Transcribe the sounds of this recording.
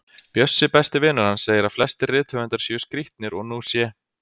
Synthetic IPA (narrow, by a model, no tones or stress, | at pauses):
pjœsːɪpɛst̪ɪvɪːnaɾ̥hansːeːjɪɾḁflɛst̪ɪrɪːt̪hœʏnt̪aɾ̥sʏːskɾiht̪nɪɾɔɣnuːsjɛː